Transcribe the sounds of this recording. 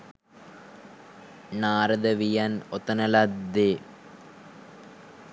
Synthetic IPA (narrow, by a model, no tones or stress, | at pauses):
naːɾɐd̪ɐʋijɐnot̪ɐnɐlɐd̪e